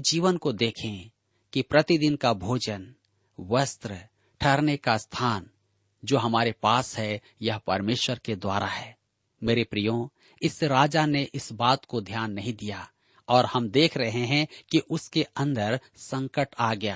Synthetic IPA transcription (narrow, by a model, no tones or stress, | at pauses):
d͡ʒiːʋənkod̪eːkʰẽ | kipɾɐt̪id̪ɪnkabʱoːd͡ʒən | ʋəst̪ɾə | ʈʰɐɾnekast̪ʰaːn | d͡ʒoːɦɐmaːɾepaːsɦɛ | jɐɦpɐɾmeːʃwəɾked̪wa̰ːɾʔaɦɛː | meːɾepɾijõ | ɪsːeɾaːd͡ʒaneʔɪsbaːt̪kod̪ʱjaːnːɐɦĩd̪ija | ɔːɾhɐmd̪eːkʰɾɐɦeɦɛ̃kiʔʊskeɐ̃nd̪əɾ | sə̃ŋkəʈaːɡɐjaː